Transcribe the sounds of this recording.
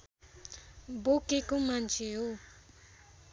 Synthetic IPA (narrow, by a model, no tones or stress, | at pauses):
bokekomant͡ʃʰeɦo